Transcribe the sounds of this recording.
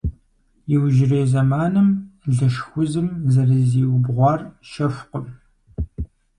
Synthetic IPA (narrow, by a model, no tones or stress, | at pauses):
jɪwʒɪreːzɐmaːnɨmɮɨʃxʷʊzɨmzɐrɨziːwbʁʷɑːrʃɐfʷqʷəm